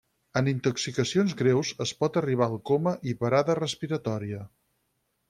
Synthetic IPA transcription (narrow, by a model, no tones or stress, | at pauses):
ənint̪ɔksikəsionzɣɾewzəspɔt̪əriβ̞aəlˠkoməʔipəɾaðərəspiɾət̪ɔɾiə